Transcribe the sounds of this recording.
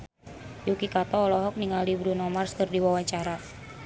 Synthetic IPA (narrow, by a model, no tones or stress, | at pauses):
jukikat̪ɔːlɔɦɔk̚niŋaldibɾunɔmarskɨrdiwawaɲt͡ʃaɾa